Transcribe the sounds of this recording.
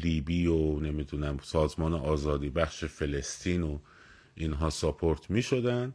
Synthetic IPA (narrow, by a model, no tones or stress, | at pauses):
liːbiːone̞miːd̪uːnæmsɒːzmɒːneʔɒːzɒːd̪iːbæχʃefe̞le̞st̪ʰiːno | ʔinɦɒːsopʰoɾt̪ʰmiːʃo̞d̪ænd̪